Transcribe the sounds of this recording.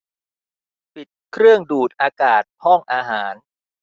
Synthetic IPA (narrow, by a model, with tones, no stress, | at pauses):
pi˨˩t̪̚kʰɾɯ˥˩əŋduː˨˩t̪̚ʔaː˧kaː˨˩t̪̚hɔ˥˩ŋʔaː˧ɦaː˩˦n